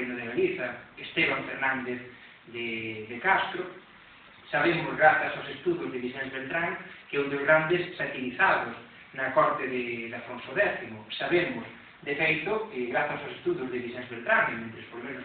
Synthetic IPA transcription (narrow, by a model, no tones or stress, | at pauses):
enoðelaliθaest̪eβaɱfeɾnãnd̪eθ | ðeðekast̪ɾo | saβ̞emozɣɾaθasawsest̪uðjozðeβiʃɛnzβelt̪ɾaŋkɛund̪ozɣɾand̪esːat̪iliθaðos | nakɔɾt̪eðeðafɾonsoðɛθimosaβemos | d̪efejt̪okeɣɾaθasaowsest̪uðjozðeβiʃɛ̃nzβelt̪ɾaŋemẽnt̪ɾespolomẽnos